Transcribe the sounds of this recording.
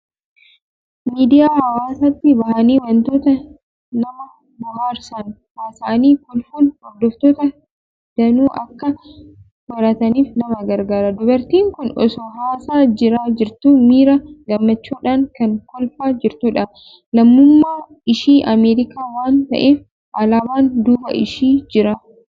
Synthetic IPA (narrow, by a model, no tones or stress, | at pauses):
miːd̪ɪjaːhɐwaːsɐt̪ːɪbɐhɐniːwɐnt̪oːt̪ɐ | nɐmɐ | bʊhaːɾsan | haːsaniːkʊlfuːnhɔɾd̪ɔft̪oːt̪ɐ | d̪̥ɐnuːʔɐkːɐ | wɐɾɐt̪ɐniːfnɐmɐɡɐɾɡaːɾɐd̪ʊbɐɾt̪iːŋkʊnɔ̰sɔɦaːsaːd͡ʒɪɾaːd͡ʒɪɾt̪uːmiːɾɐɡɐmːɐt͡ʃːuːᶑaːŋkɐŋkɔlfaːd͡ʒɪɾt̪uːᶑɐ | lɐmːʊmːaː | ɪʃiːʔɐmeːɾɪkaːwaːnt̪ɐ̰ʔeːf | ʔɐlaːwaːnd̪uːbɐ̰ʔɪ̰ʃiːd͡ʒɪɾɐ